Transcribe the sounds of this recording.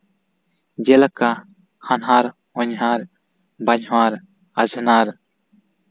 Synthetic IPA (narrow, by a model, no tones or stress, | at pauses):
d͡ʒɛlaka | hanɦaɾ | ɔɲɦaɾ | baɲɦwaɾ | azʱanaɾ